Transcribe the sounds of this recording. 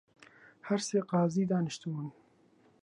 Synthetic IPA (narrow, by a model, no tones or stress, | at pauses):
haɾseːqɑːziːd̪ɑːnɨʃt̪ubun